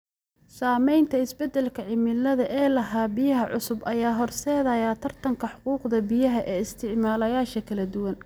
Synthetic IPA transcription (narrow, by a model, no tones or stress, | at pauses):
saːmɛjnt̪ʰɐɪsbɛd̪ɛlkʰɐʕɪmɪlɐðɐʔɛːlɐɦaːbɪjɐɦɐʕʊsʊbɐjaːɦɔrsɛːðɐjaːt̪ʰɐrt̪ʰɐŋkʰɐħʊquːqd̪ɐbɪjɐɦɐʔɛːɪst̪ʰɪʕmaːlɐjaːʃɐkʰɐlɐd̪ʊwɐn